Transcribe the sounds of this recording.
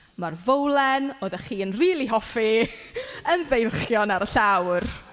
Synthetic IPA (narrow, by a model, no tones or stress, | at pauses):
marvowlˠɛnoːðəχiːənriːlˠiɦɔfi | ənðejrχjɔnaɾəɬawr